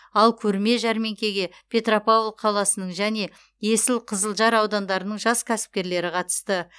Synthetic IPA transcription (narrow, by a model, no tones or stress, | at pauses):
ɑlˠkʲʰɵɾme̞ʒæɾme̞ŋkʲe̞ɡʲe̞ | pʲʰe̞t̪ropawlˠqʰɑlˠɑsənəɴʒæne̞ | je̞sɪlqʰəzəlˠʒɑɾɑwd̪ɑnd̪ɑɾənəɴʒɑskʲʰæsɪ̥p̚kʲe̞ɾle̞ɾɪqʰɑt̪ə̥st̪ə